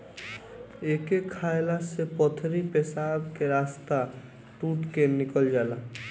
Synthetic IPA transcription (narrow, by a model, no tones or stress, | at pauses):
ekekʰaelasepɔt̪ʰɾipesabkeɾast̪a | ʈuʈkenikəld͡ʒala